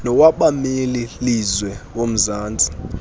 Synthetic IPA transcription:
nɔwaɓamililizwɛw̬om̩zaːnd͡zʱi

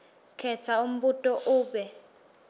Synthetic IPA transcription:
kʰɛt͡sʰaum̩ɓutʼɔʔuːɓɛ

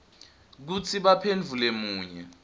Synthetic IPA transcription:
k̬ut͡sʰiɓapʰend͡vʱulemuːɲɛ̰

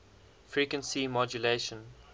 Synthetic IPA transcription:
fɹikwə̃nsimɔd͡ʒuleʃə̃n

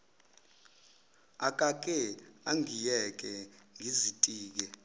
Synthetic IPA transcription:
akʼak̬ʼɛaŋijɛk̬ʼɛŋʱizitʼiːk̬ɛ

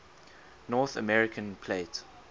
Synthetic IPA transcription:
nɔːθə̰mɛɹɪkʰə̃npʰlet

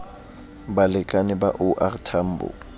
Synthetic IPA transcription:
balɪkʼanɪba̰ʔʊʔartʰam̩ːbʊ̰

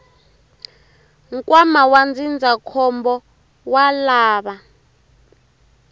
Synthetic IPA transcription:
ŋkʼwamawand͡zind͡zʱakʰɔmbɔ | walaːβa

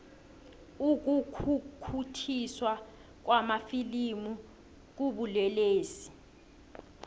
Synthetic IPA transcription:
uk̬ukʰukʰutʰiswa | k̬wamafilimu | k̬uɓulɛleːsi̥

